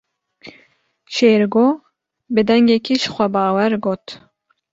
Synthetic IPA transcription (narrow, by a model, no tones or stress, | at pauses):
ʃeːɾɡoː | bɨd̪ɛŋɡekiːʃxʷɛbɑːwɛɾɡoːt̪